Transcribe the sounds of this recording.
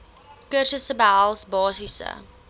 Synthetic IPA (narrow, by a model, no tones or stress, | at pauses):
kərʃəsəbəɦalˠsbɑːsisə̰